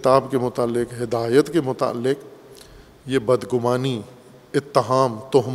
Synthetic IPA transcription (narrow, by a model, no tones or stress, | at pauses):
t̪aːbkemʊt̪aːlːɪqɦɪd̪aːjət̪kemʊt̪a̰ːlːɪq | jebɐd̪ɡʊmaːni | ɪt̪ːɪɦaːmt̪ʊɦm